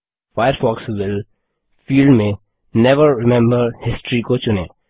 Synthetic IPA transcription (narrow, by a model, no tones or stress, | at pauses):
faɪjəɾfɔːkswɪl | fiːlɖmẽ | nɛʋəɾːɪmɛ̃mbəɾhɪsʈɾikot͡ʃʊneː